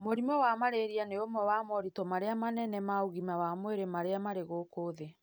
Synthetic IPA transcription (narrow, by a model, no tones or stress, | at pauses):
moɾimɔwamaɾeɾianeomwɛwamɔɾitɔmaɾeamanɛnɛmauɣimawamweɾemaɾeamaɾeɣokoːðe